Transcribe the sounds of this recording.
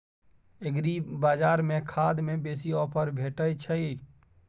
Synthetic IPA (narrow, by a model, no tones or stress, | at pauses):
eɡɾibaːd͡ʒaːɾmekʰad̪mebeːsiɔːpʰəɾbʱeʈəjt͡ʃʰəi